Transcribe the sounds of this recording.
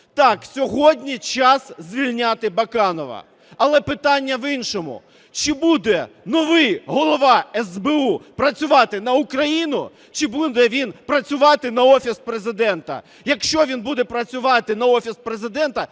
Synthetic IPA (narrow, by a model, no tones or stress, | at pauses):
t̪ɑksʲɔɦɔdʲnʲit͡ʃɑszʲʋʲilʲnʲat̪ɪbɐkɑnɔʋɐ̰ | ɐlˠɛpɪt̪ɑnʲːɐʋinʃɔmʊ̰ | t͡ʃɪbud̪ɛnɔʋɪjɦɔlˠɔʋɑɛzbeupɾɐt͡sʲʊʋɑt̪ɪnɐʊkɾɐjinʊ | t͡ʃɪbud̪ɛʋʲinpɾɐt͡sʲʊʋɑt̪ɪnɐɔfʲispɾezɪd̪ɛnt̪ɐ̰ | jɐkʃt͡ʃɔʋʲinbud̪ɛpɾɐt͡sʲʊʋɑt̪ɪnɐɔfʲispɾezɪd̪ɛnt̪ɐ